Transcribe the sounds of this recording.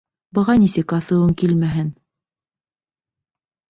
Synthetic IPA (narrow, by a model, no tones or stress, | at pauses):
bɤ̆ʁɑnisɘkɑsɤ̆wɤŋkilmæɦɘn